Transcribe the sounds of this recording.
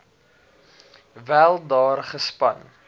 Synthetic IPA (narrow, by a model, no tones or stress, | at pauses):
vælˠdɑːrχəspɐn